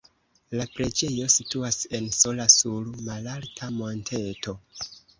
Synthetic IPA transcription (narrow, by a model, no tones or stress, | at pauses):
lapɾe̞d͡ʒe̞jo̞situase̞nso̞lasuɾmalaɾtʰamo̞ntʰe̞to̞